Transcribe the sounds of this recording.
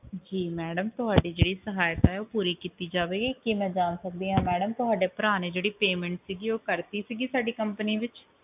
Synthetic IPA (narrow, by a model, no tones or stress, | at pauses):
d͡ʒiːmɛːɖəmt̪ʊɦaːɖiːd͡ʒeːɽiːsəɦaːjt̪aːɦɛːoːpuːɾiːkiːt̪iːd͡ʒaːʋeːɡiːkimɛ̃ːd͡ʒaːnsək̚d̪iːɦãːmɛːɖəmt̪ʊɦaːɖeːpəɾaːneːd͡ʒeːɽiːpeːmɛ̃ːɳʈsiːɡiːoːkəɾt̪iːsiːɡiːsaːɖiːkəmpəniːʋɪt͡ʃ